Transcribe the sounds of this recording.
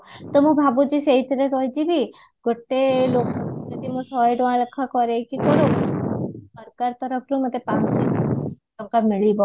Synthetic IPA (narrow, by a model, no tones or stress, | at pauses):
t̪ɔmũbʱabud͡ʒiseɦit̪ʰɾəɾɔjd͡ʒibʱi | ɡoʈːelokd͡ʒɔd̪imũsɔjɖoãləkʰːakɔɾekikɔɾo | əɾkaɾt̪ɔɾəpʰɾũmət̪epat͡ʃi | amkamɪɭibɔ